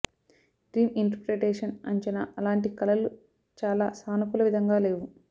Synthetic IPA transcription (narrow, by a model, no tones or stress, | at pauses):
ɖɾiːniɳʈɐɾpɾeʈeːʂɐnɐ̰ɲt͡ʃɛna̰ɐlaːɳʈikɐlɐlu | t͡ʃaːlaːsaːnɐkulɐʋid̪ʱɐŋɡaːle̞ːʋu